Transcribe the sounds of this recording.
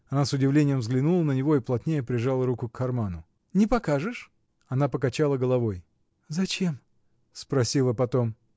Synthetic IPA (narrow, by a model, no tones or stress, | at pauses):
ɐnasʊdʲɪvlʲenʲɪjəmvzɡlʲɪnulˠənənʲɪvo̞iplˠɐt̪ʲnʲejəpɾʲɪʐalˠəɾukʊkʰːɐrmanʊ | nʲɪpɐkaʐɨʂ | ɐnapəkɐt͡ɕalˠəɡəlˠɐvo̞j | zɐt͡ɕe̞m | spɾɐsʲilˠəpɐt̪o̞m